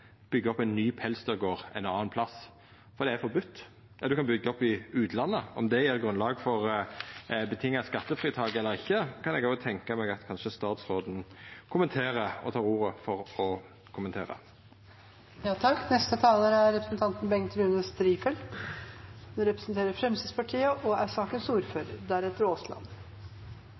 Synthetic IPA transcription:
b̥ʏɡːəɔpːæɪnːyːpʰɛlst̪əɾɡoːʁɛ̰ɪnɑːənpʰlɑs | fɔʁd̪ɛæɾfɔɾbʉt̪ː | jɑd̪ʉkɑnbʏɡːəɔpːɪʉːt̪ʰlɑnːəɔ̰md̪ɛjæʁɡʁʉnlɑːɡfɔʁ | bət̪ʰɪŋːɑskɑt̪ːəfʁiːt̪ʰɑːɡɛlːəɾɪçːəkʰɑnɛɡoːt̪ʰɛŋkəmɛɡɑt̪kʰɑnʃəst̪ɑːt̪sɾoːd̪n̩kʰʊmənt̪ʰeːɾəɔ̰t̪ʰɑːʁuːʁəfɔʁɔ | kʰʊmənʰeːʁə̰ | jɑːt̪ʰɑkːnɛst̪ət̪ʰɑːləɾæɾɾɛpɾəsnt̪ʰɑnt̪nbɛŋt̪ɾʉːnəst̪ɾiːfɛlt̪ | nɔɾɛpɾəsnt̪ʰeːɾəɾfɾɛmsɪspɑʈʰiːəʔɔæsɑːkənsuːɾføːɾə̰ɾd̪æɾɛt̪ːəɾoːslɑ̰nː

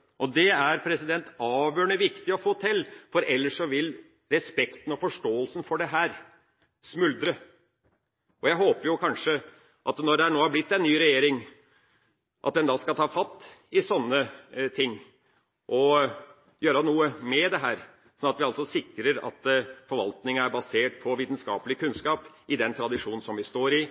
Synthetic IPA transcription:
ʔɔd̪ɛæɾpʰɾɛsɪd̪ɛnt̪ɑːʋjøːɳəʋɪkt̪ɪɔfoːt̪ʰɪlːfɔɾɛlːəʂɔʋɪl | ɾɛspɛkt̪ən̩ɔfɔʂʈoːəlsən̩fɔɖɛɦæːɾ | smʉld̪ɾə | ʔɔjæɪɦoːpəɾjʊkʰɑnʂə | ʔɑt̪nɔɖɛæɳoːhæɾblɪt̪ːɛnːyːɾɛjeːɾɪŋ | ʔɑ̰t̪̚d̪ɛnd̪ɑːskɑlt̪ʰɑːfɑt̪ːɪsɔnːət̪ʰɪŋː | ʔɔ | jøːɾɑnuːəmɛd̪ɛɦæːɾ | sɔnɑt̪ʋɪɑlsɔsɪkːɾəɾɑ̰t̪fɔɾʋɑ̰lt̪nɪŋəæɾbɑseːʈ̚pʰɔʋiːt̪n̩skɑ̰ːpəlɪkʰʉnskɑːp | ʔɪd̪ɛnt̪ʰɾɑd̪ɪʂuːn̩sɔmʋɪst̪oːɾɪ

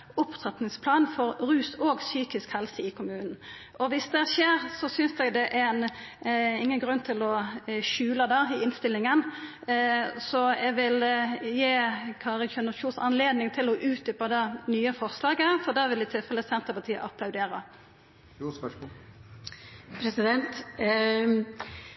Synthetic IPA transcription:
ʊpt̪ʰʁɛt̪nɪŋspʰlɑːnfɔɾɾʉːsoːɡsyːkɪskhɛlsəɪkʰʊmʉːnn̩ | ʔɔʋɪsd̪ɛʃeːʁsɔsʏnsd̪ɛɡd̪ɛʔɛn | ɪŋːənɡɾʉnːt̪ʰɪlɔʃʉːləd̪ɛɪɪnst̪ɪlːɪŋən | sɔɛɡʋɪljeːkʰɑːʁəçʉnəʃuːnsɑnleːd̪nɪŋt̪ʰɪlɔʔʉːt̪̚d̪ʏpɑd̪ɛnyːəfɔɾslɑːɡəfɔʁd̪ɛʋɪlɪt̪ʰɪlfɛləsɛnt̪əɾpɑt̪ʰiːə̰ʔɑpʰlɑʉd̪eːɾə | pʰɾɛsɪd̪ɛnt̪

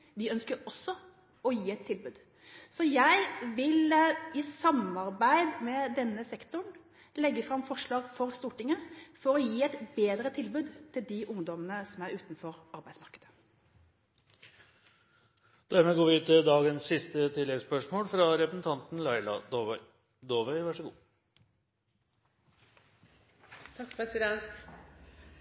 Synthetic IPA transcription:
d̪ɪœnskəɾɔsːɔ | ɔjiːɛt̪ʰːɪlbʉːd̪ | sɔjæɪʋɪlɪsɑmɑɾbæɪd̪mɛd̪ɛnːəsɛkt̪ʊɳ | lɛɡːəfɾɑmfɔʂɭɑːɡfɔɾst̪uːʈɪŋəfɔɾɔjiːɛt̪beːd̪ɾət̪ʰɪlbʉːd̪t̪ʰɪld̪ɪʔʊŋd̪ɔmənəsɔmæɾʉːt̪nfɔɾɑɾbæɪd̪smɑʁkəd̪ə̥ | d̪̥æɾmɛɡoːʋɪʉːt̪ɪld̪ɑːɡənssɪst̪ət̪ʰɪlːɛɡspœʂmoːlfɾɑɾɛpəsn̩t̪ʰɑnt̪n̩lɑɪlɑ̰ | d̪oːʋœɪʋæʂəɡṵː | t̪ʰɑkpʰɛsɪd̪ɛnt̪

